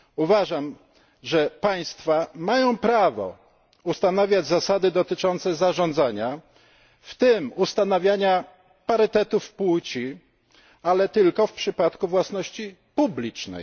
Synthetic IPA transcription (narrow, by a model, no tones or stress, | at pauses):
uvaʐam | ʐɛpaj̃st̪famajɔ̃w̃pɾavɔ̰ | ust̪anavʲjad͡ʑzasad̪ɘd̪ɔt̪ɘt͡ʂɔnt̪sɛzaʐɔnd̪zaɲa | ft̪ɘmust̪anavʲjaɲa | paɾɘt̪ɛt̪ufpwut͡ɕi | alɛt̪ɘlkɔfpʂɘpat̪kuvwasnɔɕt͡ɕi | publʲit͡ʂnɛ̰j